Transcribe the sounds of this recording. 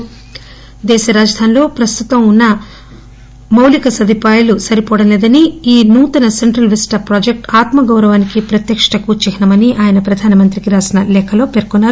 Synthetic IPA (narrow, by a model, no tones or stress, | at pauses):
d̪ɛːʃɐɾaːd͡ʒɐd̪ʱaːnlo̞ːpɾɐst̪ut̪ɐmunːɐ | mɐwlikɐsɐd̪ʱipaːjɐlusɐɾipɔːɽɐmleːd̪ɐniiːnuːt̪ɐnɐse̞ɳʈɾɐlʋisʈɐpɾaːd͡ʒek̚ʈaːt̪mɐɡɐwɾɐʋaːnikipɾɐt̪jɐkʂɐɳɐkuːt͡ʃikinɐmɐniʔaːjɐnɐpɾɐd̪ʱaːnɐmɐnt̪ɾikiɾaːsinɐlɛːkʰɐlo̞ːpeːɾkunːaːɾu